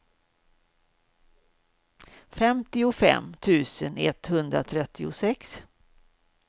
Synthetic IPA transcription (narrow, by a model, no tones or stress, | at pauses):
fɛmt̪ɪʊfɛ̰mt̪ʰʉ̟ːsənɛ̰t̪hɵnd̪ɾa̰t̪ʰɾɛt̪ʰːɪʊsɛks